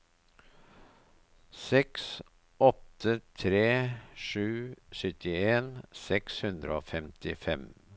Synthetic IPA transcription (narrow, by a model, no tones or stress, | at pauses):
sɛks | ʔɔt̪ət̪ʰɾeːʂʉːsʏt̪ɪeːnsɛkshʉnd̪ɾəo̰ːfɛmt̪ʰɪfɛm